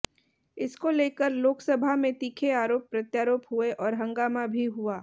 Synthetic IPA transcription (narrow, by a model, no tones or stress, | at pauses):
ɪskoleːkəɾloːksɐbʱamẽt̪iːkʰeaːɾoːpːɾɐt̪jaːɾoːpɦʊeʔɔːɾɦɐ̃ŋɡaːmabʱiɦuaː